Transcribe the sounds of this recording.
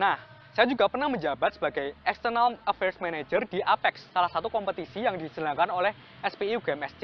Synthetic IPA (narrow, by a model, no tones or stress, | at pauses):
nah | sajad͡ʒuɡapərnahməɲd͡ʒabat̪̚sə̥baɡajɛkst̪ərnaləfɛrsmanad͡ʒərd̥iʔapɛksːalahsat̪ukɔmpət̪isijaŋdisənaŋkanolɛh | ɛspiuɡɛmɛste